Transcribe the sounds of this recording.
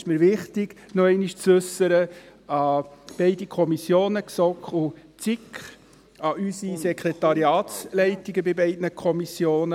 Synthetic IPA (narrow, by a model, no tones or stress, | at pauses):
ɪʃmiːɾʋɪχtɪɡ̥nɔɛɪniʃt͡sʉsːəɾə | ɑb̥ɛɪdikʰɔmisjoːnəksɔkχu | t͡sɪkχ | ɑʔysisɛkʰɾɛtɑɾiɑːtslɛɪtiɡəbɪbɛɪdnəkʰɔmisjoːnə